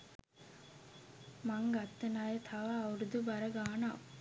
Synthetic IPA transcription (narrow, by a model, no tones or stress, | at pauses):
mɐŋɡɐt̪ːɐnaːjet̪ʰɐʋaːʋuɾud̪ubɐɾɐɡaːna̰ː